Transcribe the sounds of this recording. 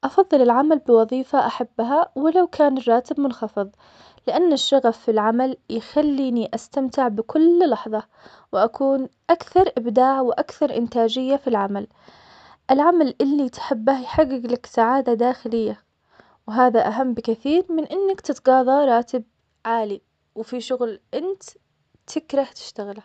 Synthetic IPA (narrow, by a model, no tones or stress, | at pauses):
ʔɑfɑðˤːɨlɪlʕamalbɪwɑðˤiːfaʔaħabːɦawɪlawkʰaːnɪrˤːɑːt̪ɪbmʊnxɑfɨðˤ | lɪʔanːɪʃːɑɣafːilʕamaljxalːiːniʔast̪amt̪ɪʕbɪkʊllɑħðˤɑ | wʔakʰuːnʔakθɑɾˤʔɪbd̪aːʕwʔakθɑɾˤʔɪnt̪aːd͡ʒɪjːafilʕamal | ʔɪlʕamalʔɪlːit̪ħɪbːahjħaɡːɪɡlaksaʕaːd̪ad̪aːxɪlɪjːa | wɦaːðaʔaɦamːbɪkɪθiːɾmɪnʔɪnːakt̪ɪt̪ɡɑːðˤɑɾˤɑːt̪ɪb̚ | ʕaːli | wfiʃʊɣlʔɪnt̪ | t̪ʰɪkɾˤɑht̪ɪ̥ʃt̪aɣɪl